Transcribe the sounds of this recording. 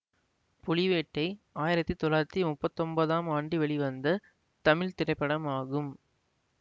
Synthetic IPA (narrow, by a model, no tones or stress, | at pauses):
pʊlɪʋeːʈːɐɪaːjɪɾɐt̪ːit̪ɔɭaːɾɐt̪ːimʊpːɐt̪ːɔmbɐðaːmaːɳɖiʋɛɭiʋɐnd̪ɐ | t̪ɐmɪɭt̪ɪɾɐɪpːɐɽɐmaːɣɯm